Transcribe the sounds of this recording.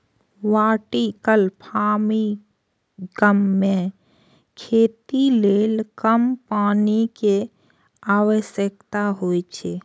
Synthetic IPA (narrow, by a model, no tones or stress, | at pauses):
ʋaːʈikəlpʰaːmi | ɡəmːẽ | kʰeːt̪ileːlkəmpaːnike | aːwəʃjəkt̪aɦoːit͡ʃʰe